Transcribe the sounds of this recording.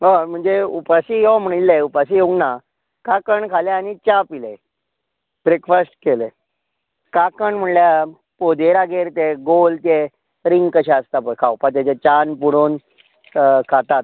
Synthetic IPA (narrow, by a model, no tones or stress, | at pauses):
ɦom̤əɳd͡zeupasiɦom̤əɽ̃ilːeupas̬ieuŋɡna | kakəɳkʰaleañit͡ɕapile | b̥ɾekfəsʈkele | kakəɳm̤əɳlja | pod̪eɾaɡeɾt̪eɡolt̪e | ɾiŋɡkəɕaəst̪apəɾkʰawpat̪̬jat͡ɕat͡ɕanpuɽoːn | kʰat̪at̪̚